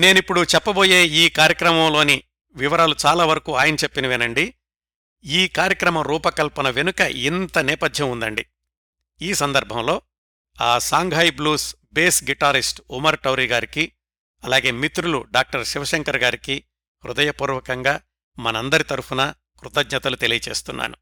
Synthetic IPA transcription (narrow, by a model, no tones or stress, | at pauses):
ne̞ːnipːuɽut͡ʃɛpːɐbo̞ːje̞ːiːkaːɾjɐkɾɐmɐmlo̞ːni | ʋiʋɐɾaːlut͡ʃaːlaːʋɐɾɐkuːaːjɐnɐt͡ʃepːinɐʋinɐɳɖi | iːkaːɾjɐkɾɐmɐɾuːpɐkɐlpɐnɐʋenukɐʔint̪ɐnɛːpɐd̪ʱjɐmund̪ɐɳɖi | iːsɐnd̪ɐɾbʱɐmlo̞ː | aːsaːŋɡʱɦɐjbluːs | beːsɡiʈaːɾisʈumɐɾʈɐwɾiːɡaːɾiki | ɐlaːɡe̞ːmit̪ɾuluɖaːk̚ʈɐɾʃiʋɐʃeŋkɐɾɡaːɾiki | ɾud̪ɐjɐpuːɾʋɐkɐŋɡaː | mɐnɐɐnd̪ɐɾit̪ɐɾupunɐ | kɾut̪ɐɡɲɐt̪ɐlut̪e̞lijɐt͡ʃe̞ːst̪unːa̰ːnu